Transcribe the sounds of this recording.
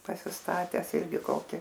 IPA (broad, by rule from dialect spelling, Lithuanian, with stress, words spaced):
pɐsʲɪsˈtɑːtʲɛs ˈɪrʲɡʲɪ ˈkoːkʲɪ